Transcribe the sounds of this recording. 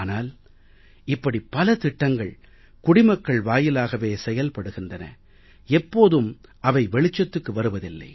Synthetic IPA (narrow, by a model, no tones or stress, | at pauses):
naːl | ɪpːɐɽipːɐlɐt̪ɪʈːɐŋɡɐɭ | kʊɽɪmɐkːɐɭʋaːjɪlaːɣɐʋeːsɛjɐlpɐɽɯɣɪndrɐnɐ̰ | ɛpːoːðɯmʔɐʋɐɪʋɛɭɪt͡ʃːɐt̪ːɯkːɯʋɐɾɯʋɐðɪlːɐ̰ɪ